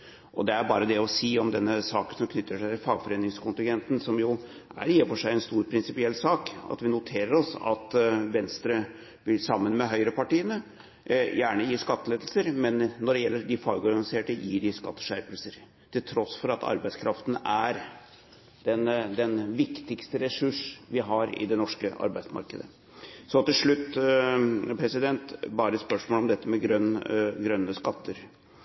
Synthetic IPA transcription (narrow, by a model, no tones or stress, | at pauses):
ʔɔ̰d̪ɛæɾbɑ̰ːɾəd̪ɛɔsiːɔmd̪ɛnːəsɑːkənsɔmkʰnʏt̪ːəʂæɪt̪ɪlfɑːɡfɔɾeːnːɪŋskʊnt̪ɪŋɡɛnt̪n̩sɔmjʊ | æ̰ɾiːəfɔʂæɪɛnst̪uːɾpʰɾɪnsɪpɪɛlːsɑːkɑ̰t̪ʋɪnʊt̪ʰeːɾəɾɔsɑ̰t̪ʋɛnst̪ɾə | ʋɪlsɑmːənmɛɦœʏɾəpɑʈiːənə | jæːɳəjiːʂkɑt̪ːəleːd̪əlsəɾmɛnːɔɖɛjɛlːəɾɖɪfɑːɡɔɾɡɑnɪseːʈəjḭːɖɪskɑ̰t̪ːə̥ʂæɾpəlsəɾ | t̪ʰɪlt̪ʰɾɔsfɔɾɑt̪ʰɑ̰ɾbæɪt̪skʰɾɑft̪n̩æɾ | d̪̥ɛnd̪ɛnʋɪkt̪ɪkst̪əɾɛsʉʂʋɪɦɑɾɪ̰d̪ɛnɔʂkəʔɑ̰ɾbæɪd̪smɑ̰ɾkəd̪ə̰ | sɔt̪ɪlʂɭʉt̪ː | pʰɾɛsɪd̪ɛnt̪bɑːɾəspœʂmolɔmd̪ɛt̪ːəmɛɡɾœnɡɾœnːəskɑt̪ʰːəɾ